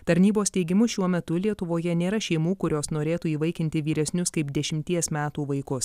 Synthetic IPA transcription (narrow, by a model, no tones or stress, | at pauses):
t̪ɐɾʲnʲiːboːsʲt̪ʲɛɪɡʲɪmʊʃʲuɔmʲɛt̪ʊlʲiɛt̪ʊʋoːjɛnʲeːɾɐʃʲɛɪmuːkʊɾʲoːsnoːɾʲeːt̪uːiːʋɐɪkʲɪnʲt̪ʲɪʋʲiːɾʲɛsʲnʲʊskɐɪpd̪ʲɛʃʲɪmʲt̪ʲiɛsmʲæːt̪uːʋɐɪkʊs